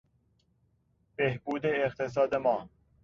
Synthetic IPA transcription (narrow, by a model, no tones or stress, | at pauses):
b̥ehbuːd̪eːqt̪ʰes̬ɒːd̪emɒː